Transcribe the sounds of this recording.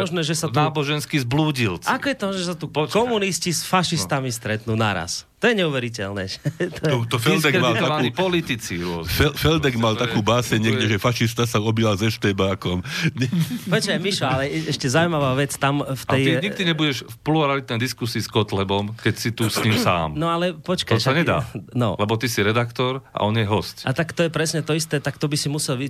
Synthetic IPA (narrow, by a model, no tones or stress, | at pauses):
mɔʒnɛːʒɛsat̪aːbɔʒɛnskizbluːɟilt͡sakɔjɛt̪ɔmɔnɛʒɛs̬at̪upkɔmuniscisfaʃist̪amist̪ɾɛt̪nuːnaɾa̰st̪ɔjɛɲɛuʋɛɾicɛlnɛ̰ʒɛt̪ɔɔt̪ɔfɛld̪ɛmalaauipɔlit̪it͡sḭɾʊɔfɛfɛld̪ɛɡmalt̪akuːbaːsɛɲɲɛɡɟɛʒɛfaʃist̪asaɔbilazɛʃt̪ɛbaːkɔmɲɛpɛt͡ʃajmiʃɔalɛɛʃcɛzaujmaʋaːʋɛt͡st̪amft̪ɛj̪iɲiɡd̪iɲɛbuɟɛʃfpluɾɛalit̪nɛjd̪iskusiːskɔt̪lɛbɔmkɛcsit̪usɲɲimsa̰ːmnɔalɛpɔt͡ʃkasaɲɛd̪a̰ːnɔ̰lɛbɔt̪isiɾɛd̪akt̪ɔɾa̰ʔɔnjɛɦɔscat̪akt̪ɔjɛpɾɛsɲɛt̪ɔist̪ɛːt̪akt̪ɔbisimusɛlʋi